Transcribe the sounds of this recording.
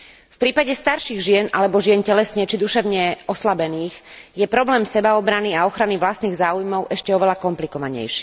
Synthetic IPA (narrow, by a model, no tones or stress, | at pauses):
fpɾiːpaɟɛst̪aɾʃiɣʒɪɛnʔalɛbɔʒɪɛncɛlɛsɲɛt͡ʃid̪uʃɛʊɲɛɔslabɛniːɣjɛpɾɔblɛːmsɛbaɔbɾaniaɔxɾaniʋlast̪niːɣzaːujmɔʊʔɛʃcɛɔʋɛlakɔmplikɔʋaɲɛ̰jʃi̥ː